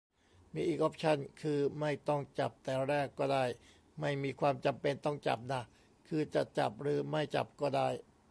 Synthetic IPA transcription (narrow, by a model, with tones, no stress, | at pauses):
miː˧ʔiː˨˩k̚ʔo˦˥p̚t͡ɕʰa˥˩nkʰɯː˧ma˥˩jt̪ɔ˥˩ŋt͡ɕa̰˨˩p̚t̪ɛː˨˧˩ɾɛː˥˩kːɔː˥˩daː˥˩j | ma˥˩jmiː˧kʰwaː˧mt͡ɕa˧mpe˧nt̪ɔ˥˩ŋt͡ɕa̰˨˩p̚na˦˥ | kʰɯː˧t͡ɕa˨˩ʔt͡ɕa̰˨˩p̚ɾɯː˨˦ma˥˩jt͡ɕa̰˨˩p̚kɔː˥˩daː˥˩j